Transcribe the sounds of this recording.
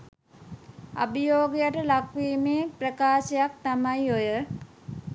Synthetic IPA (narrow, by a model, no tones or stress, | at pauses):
a̰bijoːɡijəʈəlakʋiːmeːprəkaːsejak̚t̪amajojə